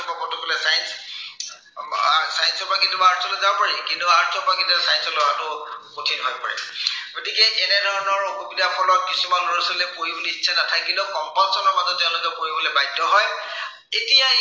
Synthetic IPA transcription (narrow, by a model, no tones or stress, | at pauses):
ɔbapɔtukɔlɛsajns | sajnsɔpakitubaaɹtʰɔlɔzabɔpaɹikintuaɹtʰɔpakintsajnsɔlɔatʊkotʰinɦɔjpa̰ɹɛ̰ɡ̥otikɛʔɛnɛdʱɔɹɔnɔɹxubidapʰɔlɔt̚kisumanloɹɔsɔlekoɹiboliitsʰanatʰakkintukɔmpalsɔnɔɹmazɔt̚tːɛʊ̃lʊkɛpoɹibolebajtːɔɦɔj | etija